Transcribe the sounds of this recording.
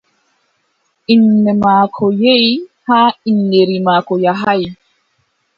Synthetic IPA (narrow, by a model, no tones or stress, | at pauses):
inːɛmaːkʰɔjeihainːeɾimaːkɔjaɦaj